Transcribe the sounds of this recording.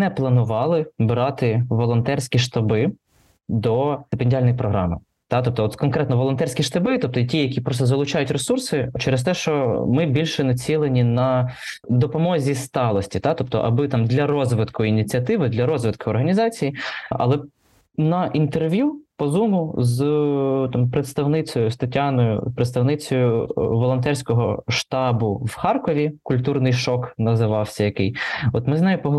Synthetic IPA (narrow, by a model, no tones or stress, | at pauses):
nɛplˠɐnʊʋɑlˠɪbɾɑt̪ɪʋɔlˠɔnt̪ɛrsʲkʲiʃt̪ɐbɪ | d̪ɔt̪epenʲdʲalʲnɔjipɾɔɦɾɑmɪ̰ | t̪ɑt̪ɔp̚t̪ɔɔt̪kɔnkɾɛt̪nɔʋɔlˠɔnt̪ɛrʲsʲkʲiʃt̪ɐbɪt̪ɔp̚t̪ɔtʲijɐkʲipɾɔst̪ɔzɐlˠʊt͡ʃɑjʊtʲresursɪt͡ʃɛɾest̪ɛʃt͡ʃɔmɪbʲilʲʃɛnɐt͡sʲilˠenʲinɐd̪ɔpɔmɔzʲist̪ɑlˠɔsʲtʲit̪ɑt̪ɔp̚t̪ɔ̰ʔɐ̰bɪt̪ɑmd̪lʲɐɾɔzʋɪt̪kʊinʲit͡sʲiɐt̪ɪʋɪd̪lʲɐɾɔzʋɪt̪kʊɔrɦɐnʲizɑt͡sʲijiɐ̰lˠɛ | nɐʔint̪erʋʲjupɔzumʊzt̪ɑmpɾet̪st̪ɐwnɪt͡sʲɔjʊst̪ɐtʲːanɔjʊ̰pɾet̪st̪ɐwnɪt͡sʲɔjʊʋɔlˠɔnt̪ɛrsʲkɔɦɔʃt̪ɑbʊwxɑrkɔʋʲikʊlʲt̪urnɪjʃɔknɐzɪʋɑwsʲɐjɐkɪjɔt̪mɪznajʊpɔɦ